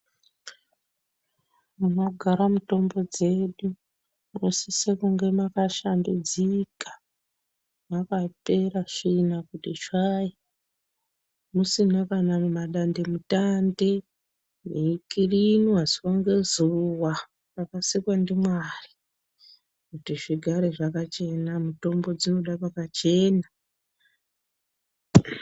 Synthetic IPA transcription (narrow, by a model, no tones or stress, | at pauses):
munoɡʱaɾamuto̞mbo̞d͡ze̞ɗu | unosisekuŋɡe̞makaʃandud͡zikḁ | makape̞ɾaʂinakutit͡ʃaji | musinakanamumaɗande̞mutande | neikirinwaziwaŋɡezuwa | pakasikwandimwari̥ | kutiʐiɡʱaɾeʐakat͡ʃe̞namuto̞mbo̞d͡zino̞ɗapakat͡ʃe̞ːna